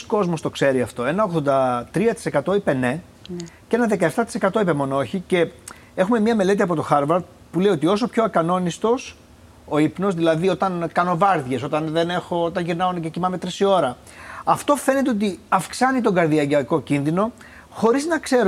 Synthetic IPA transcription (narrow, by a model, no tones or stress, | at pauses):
sko̞zmo̞st̪o̞kse̞ɾiɐft̪o̞e̞nɐo̞ɣðo̞nd̪ɐt̪ɾiɐt̪i̥se̞kɐt̪o̞ipe̞ne̞ | cee̞nɐðe̞kɐeft̪ɐt̪i̥se̞kɐt̪o̞ipemo̞nooçice̞ | e̞xume̞mɲɐme̞le̞t̪̬iɐpo̞t̪o̞xɐɾvɐɾ | puleio̞t̪io̞so̞pço̞ɐkɐno̞nist̪o̞s | o̞ipno̞zðilɐðio̞t̪ɐnkɐno̞vɐɾðʝe̞so̞t̪ɐnðe̞ne̞xo̞ot̪ɐnʝiɾnɐonececimɐme̞t̪ɾisio̞ɾɐ | ɐft̪o̞fe̞ne̞t̪eot̪iɐfksɐnit̪o̞ŋɡɐɾðiɐʝɐko̞cinðino̞ | xo̞ɾiznɐkse̞ɾ